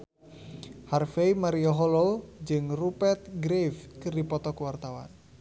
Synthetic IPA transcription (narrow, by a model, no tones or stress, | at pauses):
harfeimaɾiɔɦɔlɔd͡ʒɨŋrupɛrt̪̚ɡɾefkɨrdipɔt̪ɔkuwart̪awa̰n